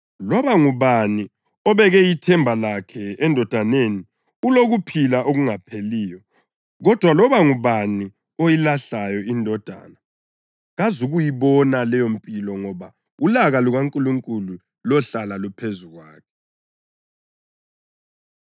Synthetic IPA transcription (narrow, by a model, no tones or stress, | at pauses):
lɔβaŋuβani | ɔβɛɣɛjitʰɛmbʱalakʰɛɛndʱɔd̥ʱaneni | uloɣupʰilaʔoɣuŋapʰeliːjɔ | ɣɔd̥ʱwalɔβaŋuβani | ojilaɬajɔindʱɔd̥ʱa̰ːna | ɣazuɣujiβɔnalɛjom̩pʼilɔŋɔβa | ulaɣaluɣaŋkʼuluŋkʼulu | lɔɬalalupʰezuɣwa̰ːkʰɛ̥